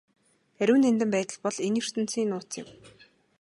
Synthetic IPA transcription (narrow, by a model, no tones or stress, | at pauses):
æɾʲɘ̆wnent̪ɘ̆mpæːt̪ə̆ɮpɔɮenjɵr̥t̪ɘ̆n̥t͡siːnʊːt͡sɪ̰̆m